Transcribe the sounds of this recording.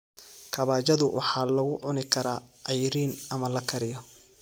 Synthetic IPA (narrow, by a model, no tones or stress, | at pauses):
kʰɐβaːt͡ʃɐðʊwʔɑ̰ħɑːlɐɣʊʕʊnɪkʰɐɾaːʔɐjɾiːnʔɐmɐlɐkʰɐɾɪjɔ